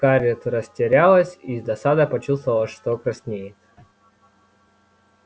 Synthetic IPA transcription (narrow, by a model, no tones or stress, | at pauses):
kaɾʲɪt̪ɾəsʲtʲɪɾʲalˠəsʲizd̪ɐsad̪əpɐt͡ɕust̪vəvəlˠəʂt̪okɾɐsʲnʲejɪt̪